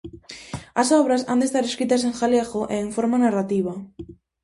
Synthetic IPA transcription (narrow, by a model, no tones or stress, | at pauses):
asɔβɾasa̰nd̪est̪aɾeskɾit̪as̬eŋxaleɣoʔeːɱfoɾmanarat̪iβa